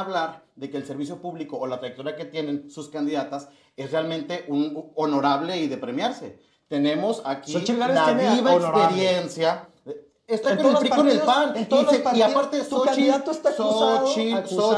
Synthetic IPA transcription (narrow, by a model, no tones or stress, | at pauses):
βlaɾðe̞ke̞ːlse̞ɾβis̬jo̞puβlikoːlat̪ɾajekt̪oɾake̞t̪je̞nensuskand̪iðat̪as | esrealmẽnt̪e̞ʔunono̞ɾaβle̞iðe̞pɾe̞mjaɾse̞̰ | t̪e̞nẽ̞mo̞sakiaaiβaekseɾjensja | est̪akonũfɾikonelpannt̪oeiapaɾt̪esoat͡ʃiðat̪ost̪asot͡ʃio